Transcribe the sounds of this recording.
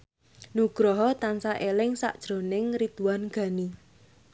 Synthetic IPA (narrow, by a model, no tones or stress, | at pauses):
nuɡ̥ɾɔɦɔt̪ansaʔelɪŋsa̰ʔd̥ʒ̥ɾo̤nɪŋɾit̪uwanɡ̥a̤ni